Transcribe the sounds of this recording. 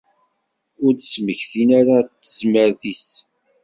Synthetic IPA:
ʊɾd̪sməçθinaɾat̪ːəzməɾθis

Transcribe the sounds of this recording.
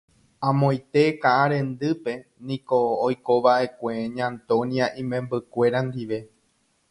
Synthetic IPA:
ãmõ̞j̃t̪e̞kaʔaɾẽ̞nd̪ɨpe̞nĩkoːjko̞ʋaʔe̞kʷeɲãnt̪õ̞niaʔĩmẽ̞mbɨkʷe̞ɾand̪iʋe̞

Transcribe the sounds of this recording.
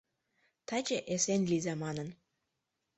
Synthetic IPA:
t̪ɑt͡ɕeʔesenlʲizɑmɑnə̆n

